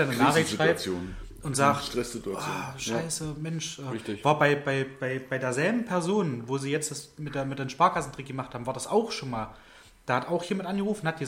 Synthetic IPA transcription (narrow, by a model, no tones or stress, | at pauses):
anənaːχʁʃʁ̥aɪbjoːn | ʔʊntz̥aːxʃtʁ̥ɛsz̥ɪtuaaʃaɪsəmɛnʃʔɛːɪçɪvaːɐbaɪbaɪbaɪb̥aɪdeːɐzɛlbm̩pʰɛɐzoːnvoːziːjɛt͡std̥asmɪtd̥eːɐmɪtdeːnʃpaːɐkʰasn̩d̥ʁɪk̚ɡəmaχthaːbmvaːɐdasaʊxʃoːnmaːl | d̥aːɐhataʊxjeːmantʔanɡəʁuːfn̩hat̚ɡ̥ə